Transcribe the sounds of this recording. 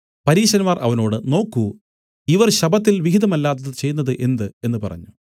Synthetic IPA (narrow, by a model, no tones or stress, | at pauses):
pɐɾiːɕɐnmaːrʔɐ̰ʋɐno̞ːɽɨno̞ːkːu | iʋɐrɕɐbɐt̪ːilʋiɦiðɐmɐlːaːt̪̬ːɐðɨt͡ɕe̞jːunːɐðɨʔe̞nd̪ɨe̞nːɨpɐ̰rɐ̰ɲːu